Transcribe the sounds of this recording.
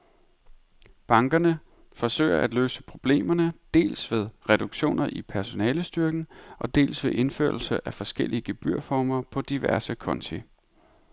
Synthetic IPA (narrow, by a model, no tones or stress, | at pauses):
b̥ɑ̈ŋɡ̥ɐnə | fɒ̽sø̰ɪ̰ɐʔæd̥løːsə̥pʰʁo̝b̥le̝̰ːmɐnəd̥e̝̰ːlsʋe̝ð̞ˠʁɛd̥uɡ̥ɕo̝̰ːnʔɐʔipʰæɐso̝nɛːləsd̥yɐɡ̥n̩ʔɒ̽d̥e̝̰ːlsʋe̝ʔe̝nfø̰ɐ̰l̩sɐʔæfɒ̽sɡ̥elʔiəɡ̥e̝b̥yɐ̰fɒːmɐpʰɒ̽d̥iʋæɐsəkʰɒ̽nt͡sʰi